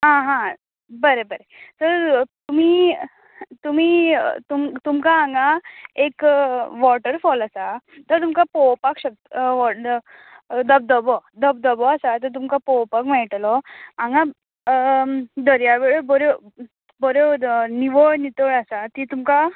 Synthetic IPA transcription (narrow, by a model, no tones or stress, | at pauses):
ɦãɦã | bəɾebəɾet̪əɾt̪um̤iː | t̪um̤iːt̪umt̪umkaãŋɡaekʋɔʈəɾfɔlasat̪əɾt̪umkapɔwpakɕək̚t̪ɔ | d̪əb̚d̪əbɔd̪əb̚d̪əbɔasat̪əɾt̪̬umkapɔwpakmɛɭʈlɔãŋɡa | d̪əɾjaʋeɭobɔɾo | bɔɾoniʋoɭnit̪oɭasat̪it̪umka